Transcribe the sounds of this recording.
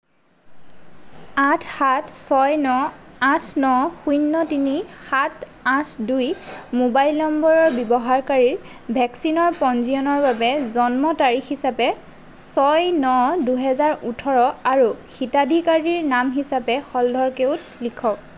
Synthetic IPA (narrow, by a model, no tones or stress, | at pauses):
ãtʰxatʰsɔjnɔãtʰnɔxujnːɔtinixatʰ | ãtʰdujmobajlnɔmbɔɹɔɹbɔbɔɦaɹkaɹiɹ | bʱɛksinɔɹpɔnzijɔnɔɹbabɛzɔnmɔtaɹixisapɛ | sɔjnɔduɦɛzaɹutʰɔɹɔaɹuxitadʱikaɹiɹnamɦisapɛxɔldʱɔɹkeʊt | likʰɔk̚